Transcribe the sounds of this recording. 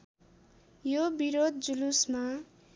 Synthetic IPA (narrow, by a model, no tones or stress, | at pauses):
jobiɾod̪̚d͡zulusma